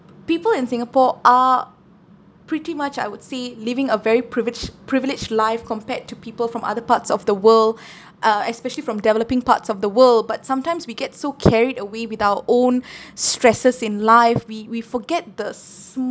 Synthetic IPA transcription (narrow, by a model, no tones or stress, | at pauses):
piːpəlɪ̃nsɪ̃ŋəpɔʔa | pɹitimat͡ʃa̰ɪwʊd̥selivɪ̃ŋəvɛɹipɹvd͡ʒpʰɹɪvɪlɪd͡ʒlaɪfkɔ̃mpɛd̚tʰːupiːpəlˠfɹɔ̃mʔa̰ðəpatsɔvd̪əwəld | ʔɛspɛʃəlifɹɔ̃mdɛvɛləpɪ̃ŋpa̰tsɔfd̪əwəld̚batsãmtãɪ̃mswiɡɛtsokʰɛɹidəwewɪðaʊwəʔõnstɹɛsəsɪ̃nlaɪfwiwifɔɡɛt̚d̪əs